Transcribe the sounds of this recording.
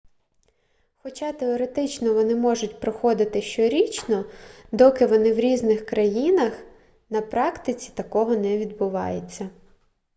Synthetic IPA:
xɔt͡ʃɑt̪eɔɾet̪ɪt͡ʃnɔʋɔnɪmɔʒʊtʲpɾɔxɔd̪ɪt̪ɪʃt͡ʃɔɾʲit͡ʃnɔd̪ɔkɪʋɔnɪwɾʲiznɪxkɾɐjinɐx | nɐpɾɑkt̪ɪt͡sʲi̥t̪ɐkɔɦɔnɛʋʲid̪̚bʊʋɑ̰jet͡sʲːɐ

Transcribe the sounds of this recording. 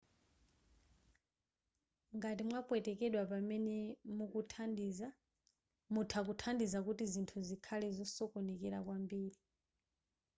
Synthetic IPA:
ŋɡatimwapwɛtɛkɛɗwapamɛnɛmukutʰandia | mutʰak̬utʰandizakutizintʰuzikʰalɛzɔsɔkɔnɛkɛɾak̬wambiːɾi

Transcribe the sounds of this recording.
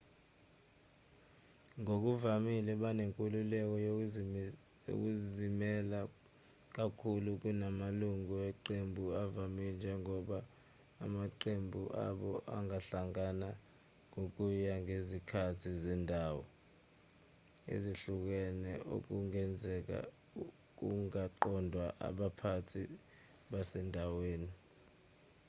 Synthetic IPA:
ŋok̬uvamilɛɓaneŋkʼululɛk̬ɔj | o̰k̬uzimɛla | k̬akʰuluk̬unamaluŋuɛǃembʱuavamind͡ʒʱɛŋɔɓaː | maǃembʱuʔa̰ɓɔʔa̰ŋaɬaŋana | ŋok̬ujaŋezikʰatʰizindʱaːwɔ̰ | ḛziɬuk̬ɛnɛʔo̰k̬uŋɛnd͡zʱɛk̬a̰ | k̬uŋaǃɔndʱwaʔa̰ɓapʰatʰi | ɓasɛndʱaweːni

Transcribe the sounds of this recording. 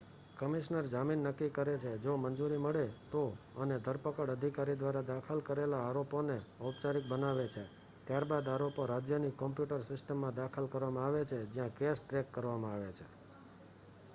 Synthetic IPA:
kəmiʃnəɾd͡ʒaminːəkːikəɾet͡ʃʰed͡ʒomənd͡ʒuɾiməɭet̪oəned̪ʱəɾpəkəɽəd̪ʱikaɾid̪ʋaɾad̪akʰəlkəɾelaːɾoponeəp̚t͡ʃaɾik̚bənaʋet͡ʃʰe | t̪jaɾbad̪aɾopoɾad͡ʒjənikːɔmpjuʈəɾsɪsʈəmːãd̪akʰəlkəɾʋamãaʋet͡ʃʰed͡ʒjãkesʈɾekːəɾʋamãaʋet͡ʃʰe

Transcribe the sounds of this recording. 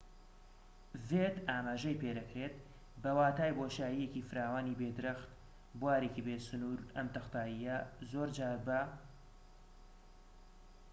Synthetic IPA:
vet̪aːmaːʒɐjped̪ɐkɾeːt̪̚ | bɐwaːt̪aːjboʃaːjijecifɨɾaːwaːniːbed̪ɨɾɐxt̪ | bwaːɾekibeːsʊnuːɾɐ̰mt̪ɨxt̪aːjijɐzoːɾd͡ʒaːɾbɐ

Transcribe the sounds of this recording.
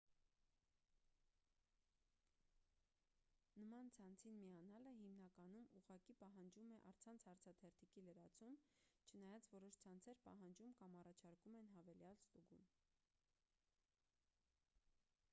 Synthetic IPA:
nəmɑnt͡sʰɑnt͡sʰinmiɑnɑləɦimnɑkɑnumuʁɑkipɑɦɑnd͡ʒumɛʔɑɾt͡sʰɑnt͡sʰhɑɾt͡sʰɑt̪ʰɛɾt̪ʰikiləɾɑt͡sʰumt͡ʃʰənɑjɑt͡svɔɾɔʃt͡sʰɑnt͡sʰɛɾpɑɦɑnd͡ʒumkɑmɑrɑt͡ʃʰɑɾkumɛnɦɑvɛljɑlst̪uɡum

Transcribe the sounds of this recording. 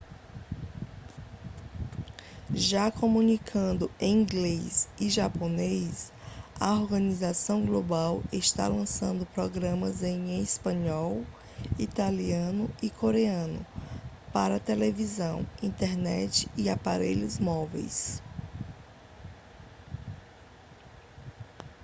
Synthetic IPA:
ʒakomũnikʰɐ̃nd̪ʊẽĩɡlesiʒaponejsɐoɾɡɐ̃nizasɐ̃w̃ɡlobaweʃt̪a̰lɐ̃sɐ̃nd̪ʊpɾɔɡɾɐ̃mɐzẽj̃espɐ̃ɲɔw | it̪aliɐ̃nʊikʰoɾeɐ̃nʊ̰ | paɾɐt̪elevizɐ̃w̃ĩt̪ɛɾnɛ̰t͡ʃɪ̥iapa̰ɾḛʎʊzmɔvḛjs

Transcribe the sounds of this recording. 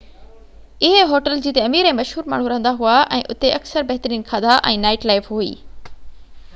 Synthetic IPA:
ɪɦeɦoːʈəld͡ʑiːt̪eɐmiːɾẽːmɐʃɦuːɾma̰ːɳ̤uɾɐɦə̃nd̪aɦuaʔɛ̃ːʔʊt̪eʔɐksəɾbɐɦt̪əɾiːnkʰad̪aʔɛ̃ːnaːɪʈlaːɪfɦuḭː

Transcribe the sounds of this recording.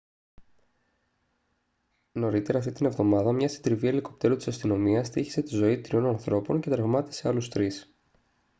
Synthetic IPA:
no̞ɾit̪e̞ɾɐːft̪it̪ine̞vðo̞mɐðɐmɲɐsi̥d̪ɾivieliko̞pt̪e̞ɾut̪isɐst̪ino̞miɐst̪içi̥se̞t̪izo̞it̪ɾio̞nɐnθɾo̞po̞nce̞t̪ɾɐvmɐt̪i̥se̞ɐlust̪ɾis

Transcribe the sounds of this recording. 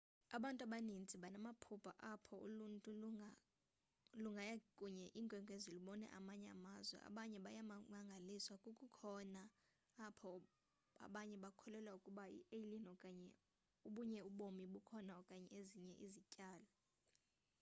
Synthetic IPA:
aɓantʼaɓanind͡zʱʼiɓanamapʰupʰʼa̰ʔapʰɔṵluntʼu | luŋɡʱajakʼuɲɛʔiːŋɡʱwɛŋɡʱeziliɓɔnɛ̰ʔa̰maɲɛa̰mazwɛ̰a̰ɓaɲɛɓajammaŋɡʱaliswakʼukʼukʰɔnaː | pʰɔ | a̰ɓaɲɛɓakʰɔlɛlwaukʼuɓaḭʔelinɔkʼaɲɛ | uɓuɲɛuɓomiɓukʰɔnaɔkʼaɲɛeziɲɛʔizicʼaːla

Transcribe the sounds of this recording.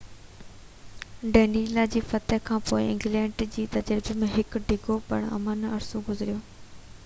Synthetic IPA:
ɖeːniːlad͡ʑiːfɐt̪əɦkʰãːpoːɪɪ̰̃ŋɡlɛ̃ːɳɖd͡ʑiːt̪ɐd͡ʑəɾbemẽɦɪkɖʱɪɡopɐ̰ɽ̃ɐ̰manɐɐɾsoɡʊzɪɾijoː

